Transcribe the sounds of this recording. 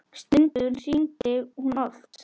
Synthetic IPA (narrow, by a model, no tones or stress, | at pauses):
st̪ʏnt̪ʏðnsint̪ɪɣhunɔlt̪